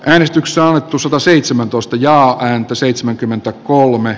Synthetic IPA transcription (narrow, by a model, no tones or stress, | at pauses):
ʔæːnest̪ykse̥soɑnːet̪ːusɑt̪ɑseit̪semænt̪oist̪ɑjɑːʔæːnt̪æseit̪semæŋkymːent̪ækolme